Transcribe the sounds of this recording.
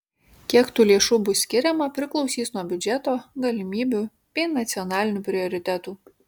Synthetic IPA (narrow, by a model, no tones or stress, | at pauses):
kʲiɛkt̪uːlʲiɛʃʊbʊsʲkʲɪɾʲɛmɐpʲɾʲɪklˠɒʊsʲiːsnuɔbʲʊd͡ʒʲɛt̪oːɡɐlʲɪmʲiːbʲu | pʲiːnɐt̪sʲɪɔnɑːlʲɪnʲuːpʲɾʲɪɔɾʲɪt̪ʲæt̪uː